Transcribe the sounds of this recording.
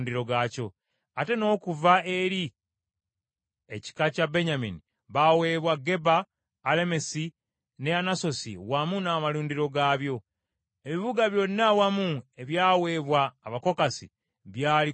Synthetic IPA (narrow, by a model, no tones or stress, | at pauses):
ndiɾo̞ɡaːco̞ | ate̞no̞ːkuvae̞ɾi | e̞̰ci̥kacabeɲamḭni | βawe̞βwaɡe̞baː | le̞me̞si | neanaso̞sḭwamunaːmaluːndiɾo̞ɡaβjo̞ | e̞βiβuɡaβjo̞nːawamue̞βjaːwe̞ːβwaːβako̞kasḭ | βjaːli